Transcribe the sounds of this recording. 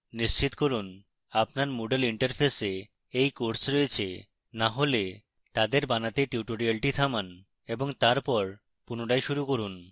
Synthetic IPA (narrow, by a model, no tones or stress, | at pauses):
niʃt͡ɕit̪koɾun | apnaɾmoɖeliɳʈaɾpʰese | ejkoɾsɾojet͡ɕʰḛ | naɦole | t̪ad̪eɾbanat̪eʈiʈoɾialʈit̪ʰaman | eboŋt̪aɾpɔɾ | punoʈajʃuɾukoɾun